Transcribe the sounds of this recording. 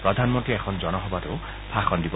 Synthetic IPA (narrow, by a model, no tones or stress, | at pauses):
pɾɔd̪ʱanmɔnt̪iekʰɔnd͡ʒɔñɔɦɔbaɾe | pʰaxɔnd̪ibɔ